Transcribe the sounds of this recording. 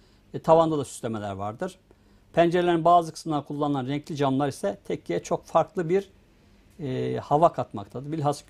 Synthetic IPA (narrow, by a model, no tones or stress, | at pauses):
t̪ʰavand̪ad̪asy̥slʲemelʲæ̰ɾva̰ɾd̪ɯɾ̥ | pʰænd͡ʒeɾelʲeɾinbaːzɯkʰɯ̥smɯlˠaɾkʰulˠːanɯlˠanɾɛɲclʲid͡ʒamlˠaɾisɛt̪ʰɛcːʰijɛt͡ʃʰo̞kfaɾklˠɯbiɾ | havakʰat̪ma̰kt̪ʰad̪ɯɾbilʲɦas